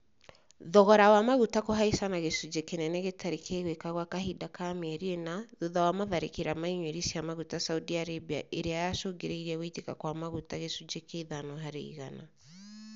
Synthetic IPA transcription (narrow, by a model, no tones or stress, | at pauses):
ðɔɣɔɾawamaɣutakoɦaisanaɣesud͡ʒekenɛnɛɣetʰaɾekʰeːɣwekaɣwakaɦidakamɛɾienaðuðawamaðaɾekeɾamaiɲweɾisiamaɣutasaudiaɾebia̰ʔeɾeajaʃoːŋɡeɾeiɾiaɣoitekakwamaɣutaɣesud͡ʒekeiðanɔɦaɾḛiɣana